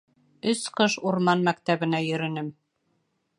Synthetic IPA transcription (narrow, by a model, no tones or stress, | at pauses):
ɵsqɤʃuɾmɑnmæk̚t̪æβɘ̆næjɵ̆ɾɘ̆nɘm